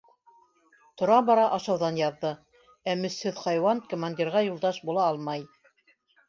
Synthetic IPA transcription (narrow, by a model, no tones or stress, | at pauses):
t̪ŏɾɑbɑɾɑʔɑʃɑwðɑnjɑðːɤ | æmɵ̆shɘðχɑjwɑnkŏmanʲdʲiɾʁɑjulˠd̪ɑʃbulˠɑɑlˠmɑj